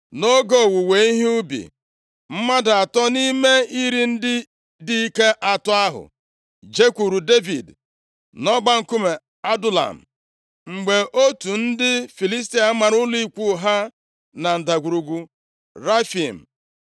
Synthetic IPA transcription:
no˦ɡo˦˨wu˨we˨˦i˦ɦi˦ʊ˦bḭ˨ | m̩˦ma˦da˨tɔ˦ni˦me˦i˦ɾi˦n̩˦dɪ˦ | di˦i˦ke˦ʔa˨tɔ˦a˦ɦʊ̰˨ | d͡ʒe˦kʷu˨ɾu˨de˦vḭ˨d | nɔ˦ɡ͡ba˦ŋ̩˦˨ku˦me˨ | a˦du˦la̰˨m̩˨ | ŋ͡m̩˨ɡ͡be˨ʔo˦tu˨n̩˦dɪ˦fi˨li˦s̬ti˨a˨˦ma˨ɾʊ˦li˦˨kʷu˦˨ɦa˦ | na˨n̩˨da˨ɡʷu˨ɾu˨ɡʷu˨ | ɾa˦fi˨m̩˨

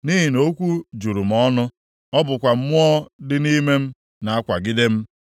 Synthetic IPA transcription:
ni˦ɦi˨no˦kʷu˦d͡ʒu˨ɾu˨m̩˨ɔ˦nʊ˦ | ɔ˦bʊ˨kʷa˨m̩˦mʊ˦ɔ˦dɪ˦ni˦me˦m̩˦ | na˨a˦kʷa˨ɡɪ˦de˦m̩˦

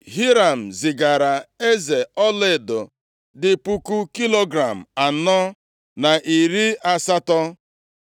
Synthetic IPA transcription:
ɦi˦ɾa˨m̩˨zɪ˨ɡa˨ɾa˨e˦ze˨ɔ˦lɪ˦˨do˨ | dɪ˨pu˦ku˦ki˦lo˦ɡɾa˨m̩˨a˨nɔ˦ | na˨ʔi˨ɾi˦a˦sa˦tɔ˦

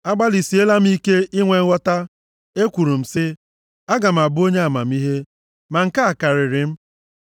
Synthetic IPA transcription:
a˦ɡ͡ba˦li˨si˨˦e˦la˦m̩˦i˦ke˦ʔɪ˦ŋʷe˨ŋ̩˦wʷɔ˦ta˦ | e˦kʷu˨ɾu˨m̩˨sɪ˦ | a˦ɡa˨m̩˨a˨bʊ˦o˦ɲe˦a˨ma˨m̩˦i˦ɦe˦ | ma˨ŋ̩˨ka˦a˨ka˨ɾɪ˨ɾɪ˨m̩˦

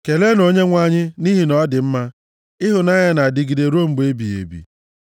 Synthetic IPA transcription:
ke˨le˦no˦ɲe˦ŋʷa˦ɲɪ˦ni˦ɦi˨nɔ˦dɪ˨m̩˦ma˦ | ɪ˦ɦʊ˨na˦ɲa˦na˨dɪ˨ɡi˨de˨ɾo˦m̩˨ɡ͡be˦bi˨ḛ˨bḭ˨

